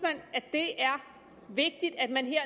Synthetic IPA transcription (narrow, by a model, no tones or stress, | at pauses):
mæn̰æd̥e̝æɐ | ʋe̝ɡ̥̚d̥id̥æd̥mænɦeɐ̰